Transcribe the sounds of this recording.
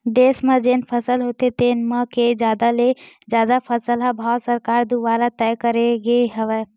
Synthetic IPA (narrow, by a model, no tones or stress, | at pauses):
d̪esmed͡ʒenpʰəsəlɦot̪et̪enməked͡ʒjad̪ale | d͡ʒjad̪apʰəsəlɦɛbʱawsəɾkaɾd̪ubaɾat̪ɛjkəɾeɡeɦəʋɛ